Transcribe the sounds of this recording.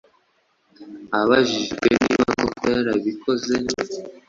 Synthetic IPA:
aβaʒiʒɡweniːβaŋokeaɾaβikʰo̞ze

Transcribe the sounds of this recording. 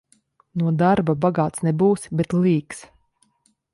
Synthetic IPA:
nuɔd̪aɾbabaɡaːt̪snɛbuːsbɛt̪lˠiːks

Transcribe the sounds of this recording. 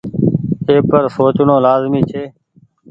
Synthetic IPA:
eːpəɾsoːt͡ʃnõːlaːzmiːt͡ʃʰeː

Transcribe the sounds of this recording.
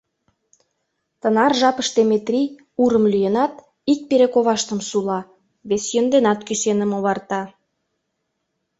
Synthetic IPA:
t̪ə̆nɑrʒɑpəʃt̪emet̪rʲi | uɾə̆mlyjənɑt̪ | ik̚peɾekoβɑʃt̪ə̆msulɑ | βesjənd̪enɑt̪kyʃenə̆moβɑrt̪ɑ

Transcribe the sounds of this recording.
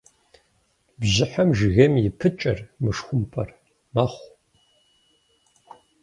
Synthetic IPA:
bzɨħamʒɣɐmjɪpʰɨt͡ʃʼɐrmɨʂxʷʊmpʰʼɐr | maːχʷ

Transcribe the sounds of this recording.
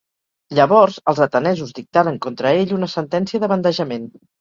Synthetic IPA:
ʎəβɔɾzəlˠzət̪ənɛzuzd̪ik̚t̪aɾəŋkont̪ɾəeʎunəsənt̪ɛnsiəðəβənd̪əʒəmen

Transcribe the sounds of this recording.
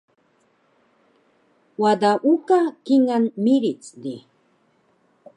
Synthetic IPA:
wad̪aʔukakɪŋanmɪɾit͡sd̪i

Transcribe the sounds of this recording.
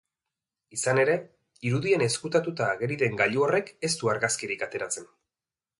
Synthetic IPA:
isane̞ɾe̞ | iɾuðiene̞skut̪at̪ut̪aːɣe̞ɾiðe̞ŋɡaʎuore̞ke̞st̪uaɾɣaskiɾikat̪e̞ɾat͡se̞n

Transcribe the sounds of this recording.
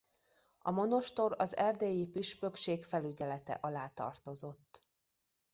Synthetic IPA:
ɒmo̞no̞ʃt̪o̞ɾɒzɛrd̪eːjipiʃpøkʃeːkfɛlyɟɛlɛt̪ɛ̰ʔɒlaːt̪ɒ̰rt̪o̞zo̞t̪ː

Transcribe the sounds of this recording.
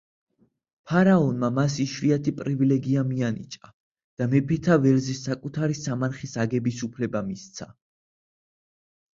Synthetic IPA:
pʰaɾaɔnmamasiʃviat̪ʰipʼɾivilɛɡiamianḭt͡ʃʼa | d̪̥amɛpʰɛt̪ʰavɛlzisːakʼut̪ʰaɾisamaɾχisaɡɛbisupʰlɛbamist̪sʰa

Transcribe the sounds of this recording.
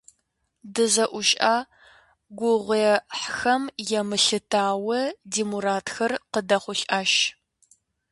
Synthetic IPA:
dɨzɐʔʷʊʃʼaː | ɡʷʊʁʷeːħxɐmjɛmɨɬɨtʰaːwɐdiːmuɾaːtxɐrqədɐχʷʊɬʔaːʃ

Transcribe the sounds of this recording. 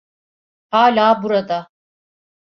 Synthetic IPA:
haːlʲaːbuɾad̪a

